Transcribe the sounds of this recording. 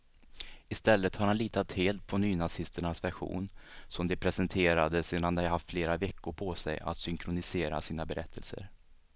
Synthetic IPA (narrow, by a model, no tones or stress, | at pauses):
ɪst̪ɛlːət̪haɾhanliːt̪at̪heːlt̪̚pʰɔnyːnasɪst̪əɳasvæɾɧṵːnsɔmd̪ɛpʰɾɛsɛnt̪ʰeːɾad̪əseːd̪and̪ɛhaɦaft̪fleːɾavɛkːʊɾpʰɔsɛ̰ja̰t̪sʏŋkʰɾʊnɪseːɾa̰siːnabɛɾʔɛt̪ʰːəlsə̰ɾ